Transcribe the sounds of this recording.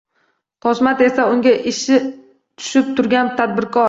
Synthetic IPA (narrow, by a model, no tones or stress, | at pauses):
t̪ʰɒʃmat̪e̞saʊŋɡʲaʔɪʃɪ | t̪ʰʊ̥ʃɪp̚t̪ʰʊɾɡʲant̪ʰad̪̚bɪɾkʰɒɾ